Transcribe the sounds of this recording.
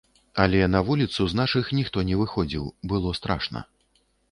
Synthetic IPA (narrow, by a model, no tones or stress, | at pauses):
ɐlʲɛnɐvulʲit̪suznaʂɨxnʲixt̪ɔnʲɛvɨxɔd͡zʲiwbɨlˠɔst̪ɾa̰ʂnɐ̰